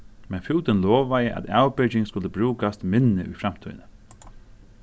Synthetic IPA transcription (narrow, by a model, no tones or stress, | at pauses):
mɛnfʉːt̪ənlɔːʋajəʔa̰t̪awbʏd͡ʒɪŋskʊlːəbɾʉːkast̪mɪnːəʔʏ̰fɾamt̪ʰy̰ʏnə